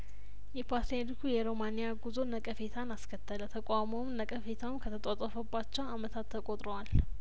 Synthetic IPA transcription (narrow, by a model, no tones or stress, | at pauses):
jɛpʰased̪ikʰujɛɾomanijaɡuzo̞nəkʼəfe̞t̪ʰanaskʰət̪ʰːələt̪ʰəkʷʼamomnəkʼəfe̞t̪ʰawmkʰət̪ʰət̪ʼat̪ʼofəbːat͡ʃːɛwamət̪ʰat̪ʰːəkʼot̪ʼɾowal